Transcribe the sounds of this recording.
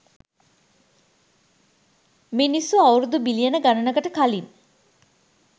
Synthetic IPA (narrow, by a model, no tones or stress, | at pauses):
minisuawɾud̪ubilijənəɡanənəɡəʈəkalin